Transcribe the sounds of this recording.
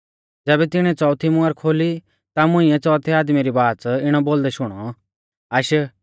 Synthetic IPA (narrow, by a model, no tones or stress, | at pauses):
d͡zɛːbɛt̪ɪɽ̃ɛ̃t͡sɔːt̪ʰimʊ̃ɐɾkʰoːli | t̪amʊ̃ĩɛt͡sɔːt̪ʰiaːd̪miɾibaːt͡sɪɽ̃ɔboːld̪ɛʃʊɽ̃ɔ | aːʃə